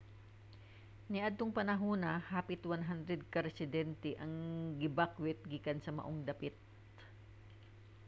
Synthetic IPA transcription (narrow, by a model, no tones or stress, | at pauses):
nɪʔad̪̚t̪oŋpɐnɐɦoːnɐhaːpɪt̪wanɦand̪ɾɛd̪̚kɐɾɛsɪd̪ɛnt̪ɛʔɐŋɡɪbakwɪt̪̚ɡiːkɐnsɐmɐ̰ʔoŋd̪ɐpɪt̪̚